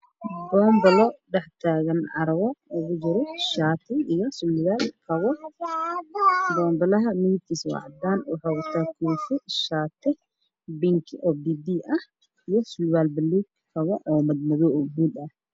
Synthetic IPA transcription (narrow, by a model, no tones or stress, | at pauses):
bɔːmbɐlɔɖɛħt̪ʰaːɣɐnʕɑ̰ɾɐβɔʊɣʊd͡ʒɪɾɔʃaːt̪ʰɪɪjɐsʊlβaːlkʰɐwɔ | bɔːmbɐlɐɦɐmit̪ʰiswɑ̰ʕd̪aːnwɑħaːwɐt̪ʰaːkʰuːfɪʃaːt̪ʰɪ | bɪŋkʰʔɔfd̪id̪iːʔɐh | ijɔsulβaːlbɐlːi | kʰɐwɔʔɔːmɐd̪̚mɐðɔʔɡuːd̪ɐh